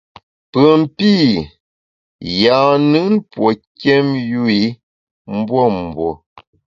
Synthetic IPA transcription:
pə˨m˨˦pi˦˨ | ja˨nɨ˦npwo˨kjɛ˦mju˦i˨˦ | m̩˦bwɔ˦˨m̩˨bwɔ˨

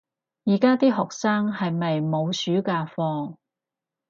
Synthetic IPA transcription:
jiː˨˩kaː˥t̪iː˥ɦɔː˨k̚saː˥ŋhɐ˨jmɐ˨jmo˨˧wsyː˨˥kaː˧fɔː˧ŋ

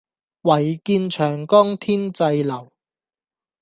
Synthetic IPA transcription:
wɐ˨˩jkiː˧nt͡ʃʰœː˨˩ŋkɔː˥ŋt̪ʰiː˥nt͡sɐ˧jlɐ˨˩w

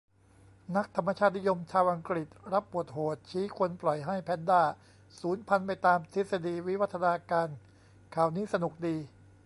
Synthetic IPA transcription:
na˦˥k̚t̪ʰa˧mːa˧t͡ɕʰaː˥˩t̪̚ni˦˥jo˧mt͡ɕʰaː˧wʔa˧ŋkɾi˨˩t̪̚ɾa˦˥pːu˨˩ət̪̚ɦoː˨˩t̪̚t͡ɕʰiː˦˥kʰo˧nplɔ˨˩jɦa˥˩jpʰɛ˦˥ndaː˥˩ | suː˩˦npʰa˧npa˧jt̪aː˧mt̪ʰi˦˥sa˧diː˧wi˦˥wa˦˥t̪ʰːa˧naː˧kaː˧n | kʰaː˨˩wniː˦˥sa˧nu˨˩k̚diː˧

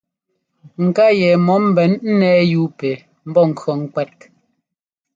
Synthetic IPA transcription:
ŋ̩˨ka˦jɛ˨mɔ˨˦m̩˦bɛ˨˦nn̩˦nɛː˦ju˦pe˨ | m̩˦bɔ˦ŋ̩˨kɔ˨ŋ̩˦kwɛ˦t̚

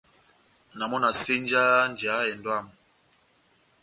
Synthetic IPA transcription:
na˨mɔ˦na˨se˦n˦d͡ʒa˦n˨d͡ʒa˨˦ɛ˨ndwa˦˨m

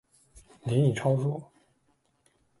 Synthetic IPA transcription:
ni˧˥i˨˩ʈ͡ʂʰɑ˥ʊʂu˥˩

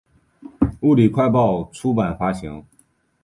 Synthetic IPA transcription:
u˥˩li˨˩kʰwa˥˧ɪp̬ɑ˥˩ʊʈ͡ʂʰu˥pa˨˩nfa˥ɕi˧˥ŋ

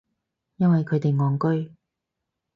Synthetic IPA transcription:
jɐ˥nwɐ˨jkʰɵ˨˧jt̪e˨jŋɔː˨˩ŋkɵ˥ɥ

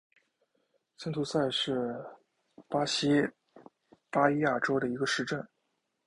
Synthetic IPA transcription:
t͡ɕʰi˥nt̪ʰu˧˥sa˥˧ɪʂɻ̩˥˩ | pa˥ɕi˥ | pa˥li˥ja˥˩ʈ͡ʂo˥ʊd̪ə˨i˧˥ɡə˧ʂɻ̩˥˧ʈ͡ʂə˥˩n

